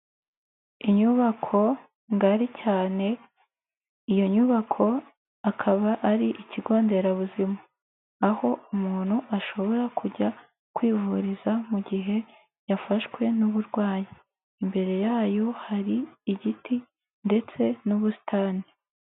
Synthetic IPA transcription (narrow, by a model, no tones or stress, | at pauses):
iɲuβakʰo̞ | ŋɡaɾicaːne̞ | ijo̞ɲuβakʰo̞ | akʰaβaʔːɾiʔiciɡo̞ːnde̞ɾaβuzima | aho̞umuːn̥huʔaʃo̞βo̞ɾakʰuɾɟa | kwiːvuɾizamuɟiɦe̞ | jafaʃkwe̞nuβuɾɡwaːji | imbe̞ɾe̞jaːjo̞haɾiːɟiti | nde̞t͡se̞nuβusi̥taːni